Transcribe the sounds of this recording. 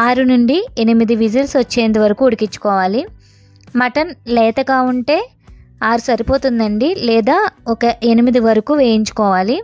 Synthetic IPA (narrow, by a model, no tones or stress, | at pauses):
aːɾunuɳɖienimid̪iʋid͡ʒilsʋɐt͡ʃːeːnd̪iʋɐɾɐkuːuɽikit͡ʃːu̥kɔːʋaːli | mɐʈɐnlɛːt̪ɐɡaːuɳʈe̞ː | aːɾusɐɾipo̞ːt̪und̪ɐɳɖilɛːd̪aːɔkɐʔenimid̪iʋɐɾɐkuːʋeːjiɲt͡ʃu̥kɔːʋaːli